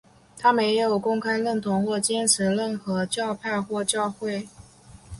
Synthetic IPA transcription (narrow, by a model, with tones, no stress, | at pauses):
t̪ʰa˥me˧˥ɪjo˨˩ʊkʊ˥ŋkʰa˥ɪlə˥˩nt̪ʰʊ˧˥ŋxwɔ˥˩t͡ɕjɛ˥nʈ͡ʂʰɻ̩˧˥lə˥˩nxɤ˧˥t͡ɕjɑ˥˧ʊpʰa˥˧ɪxwɔ˥˧t͡ɕjɑ˥˧ʊxwe˥˩ɪ